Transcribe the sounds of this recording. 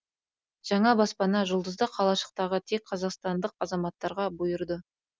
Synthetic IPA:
ʒ̥ɑɴɑbɑspɑnɑʒʊlˠd̪əzd̪əqʰɑlˠɑʃə̥q̚t̪ɑʁət̪ʰek̚qʰːɑzɑqst̪ɑnd̪əq̚ɑzɑmɑt̪ːɑɾʁɑbʊjəɾd̪ə

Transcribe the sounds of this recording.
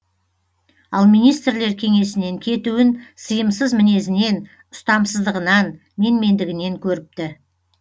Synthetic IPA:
ɑlˠmijnijst̪ɾle̞ɾkʲʰe̞ŋe̞sɪne̞ŋkʲʰe̞t̪uɪnsəjəmsəzmɪne̞zɪne̞n | ʊst̪ɑmsəzd̪əʁənɑnː | e̞nme̞nd̪ɪɡʲɪne̞ŋkʲʰɵɾɪp̚t̪ɪ

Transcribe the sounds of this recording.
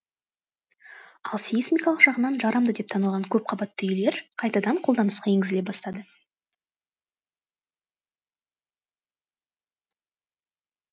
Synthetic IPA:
ɑlˠsismʲijkɑlˠəqʒɑʁənɑnʒɑɾʔɑmd̪əd̪e̞p̚t̪ʰɑnəlˠʁɑŋkʲʰɵp̚qʰɑbɑt̪ːəʏjle̞ɾqʰɑjt̪ɑd̪ɑɴqʰo̞lˠd̪ɑnəsqɑe̞ŋɡʲɪzɪlepbɑst̪ɑd̪ə

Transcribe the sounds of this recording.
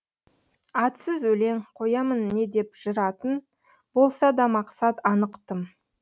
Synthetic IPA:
ɑt̪səzwɵle̞ŋqʰo̞jɑmənːe̞d̪e̞pʒ̥əɾɑt̪ən | bo̞lˠsɑd̪ɑmɑqsɑt̪ɑnəqt̪əm

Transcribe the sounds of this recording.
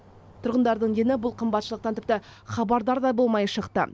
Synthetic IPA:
t̪ʰʊɾʁənd̪ɑɾd̪əɴenɪbʊlˠqʰəmbɑt̪ʃəlˠəq̚t̪ɑnt̪ʏp̚t̪ɪχɑbɑɾd̪ɑɾd̪ɑbo̞lˠmɑjʃəqt̪ə̰

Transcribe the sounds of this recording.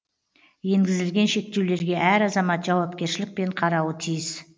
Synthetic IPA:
je̞ŋɡʲɪzɪlɡʲe̞nʃe̞k̚t̪e̞wle̞ɾɡʲe̞ʔæɾɑzɑmɑt̪ʒɑwɑpkʲe̞ɾʃɪlɪk̚pe̞ɴqʰɑɾɑwət̪ʰijɪz

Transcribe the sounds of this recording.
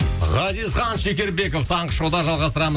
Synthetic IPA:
ʁɑzijzχɑnʃekʲe̞ɾbe̞koft̪ʰɑɴəʃod̪ɑʒɑlˠʁɑst̪əɾɑmə

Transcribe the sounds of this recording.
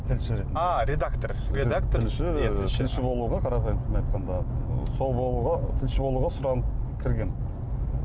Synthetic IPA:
t̪ʰɪlʃɪbɾet̪ɪnɑɾʲed̪akt̪oɾ | ɾed̪akt̪ɪlʃɪt̪ʰɪlʃɪbo̞lˠuʁɑqʰɑɾɑpɑjəmt̪ʰɪmnɑjt̪̚qʰɑnd̪ɑso̞lˠbolˠuʁɑt̪ʰɪlʃɪbo̞lˠuʁɑsʊɾɑnəpkʲʰɪɾɡʲen

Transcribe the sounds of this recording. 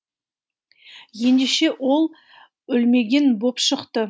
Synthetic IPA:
je̞nd̪eʃe̞ʔwo̞lˠ | ʏlme̞ɡʲe̞nbo̞pʃəqt̪ə

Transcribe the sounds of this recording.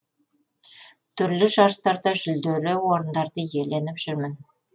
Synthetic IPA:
t̪ʰʏɾlɪʒɑɾst̪ɑɾd̪ɑʒʏld̪eɾɪwoɾənd̪ɑɾd̪əje̞le̞nɪpʒ̥ʏɾmɪn

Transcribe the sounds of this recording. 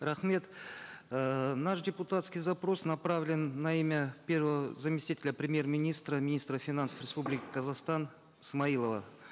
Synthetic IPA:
ɾaχmʲe̞t̪ | naʂdʲɪpʊt̪at̪skʲijzapɾo̞snɐpɾavlʲɪnːɐimʲəpʲe̞rvəvəzɐmʲɪsʲt̪ʲitʲɪlʲəpɾʲɪmʲje̞rmʲɪnʲist̪ɾəmʲɪnʲist̪ɾəfʲɪnansə̥frʲɪspublʲɪkʲɪkɐzaχst̪an | ismɐilˠəvə̰

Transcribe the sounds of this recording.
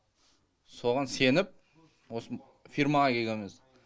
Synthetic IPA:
so̞ʁɑnse̞nɪp̚ | wosə | fiɾmɑʁɑkʲʰe̞ɡʲe̞mɪz

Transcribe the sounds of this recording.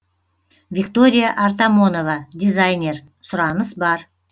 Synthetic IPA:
vʲikt̪o̞ɾʲijaʔɑɾt̪amo̞no̞vɑd̪ʲijzajnʲe̞ɾ | sʊɾɑnəsbɑɾ

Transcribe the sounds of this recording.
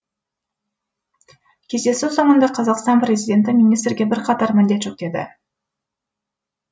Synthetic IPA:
kʲʰe̞zd̪e̞sɪso̞mənd̪ɑqʰɑzɑqst̪ɑnpɾʲe̞zijd̪ʲe̞nt̪̬ɪmʲinijst̪ɾɡʲe̞bɪɾqʰɑt̪ɑɾmɪnd̪et̪ʃok̚t̪e̞d̪ɪ̰

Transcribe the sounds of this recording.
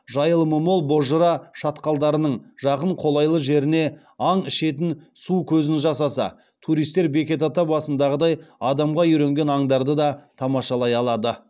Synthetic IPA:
ʒɑjəlˠməmo̞lˠbo̞ʒəɾɑʃɑt̪qɑlˠd̪ɑɾənəɴʒ̥ɑqəɴqʰo̞lˠɑjlˠəʒe̞ɾɪne̞ | ɑɴɪʃe̞t̪ɪn | sukʲʰɵzɪnʒɑsɑsɑ̰ | t̪ʰuɾijst̪e̞ɾbe̞kʲe̞t̪ɑt̪ɑbɑsənd̪ɑʁəd̪ɑjɑd̪ɑmʁɑʏɾe̞ŋɡʲe̞nɑɴd̪ɑɾd̪əd̪ɑt̪ʰɑmɑʃɑlˠɑjɑlˠɑd̪ə

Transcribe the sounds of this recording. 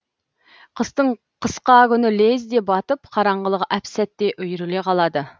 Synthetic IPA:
qʰəst̪əɴ | qʰəsqɑkʲynɪlezd̪ep̚bɑt̪ɨpqʰɑɾɑɴʁəlˠəʁʔæpsæt̪ːeʔyjɾɪleqʰɑlˠɑd̪ə

